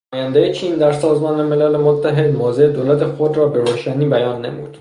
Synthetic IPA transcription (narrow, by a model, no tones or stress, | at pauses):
ɒːjænd̪ejet͡ʃʰiːnd̪æɾsɒːzmɒːnemelælemot̪ʰːæɦed̪moːzed̪oːlæt̪ʰexod̪ɾɒːbeɾoːʃæniːbæjɒːnːḛmṵd̪̥